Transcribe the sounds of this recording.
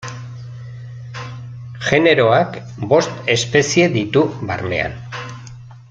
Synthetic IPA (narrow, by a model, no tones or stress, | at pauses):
ʝe̞ne̞ɾo̞ak | bo̞st̪e̞spe̞sie̞ðit̪uβarne̞̰a̰n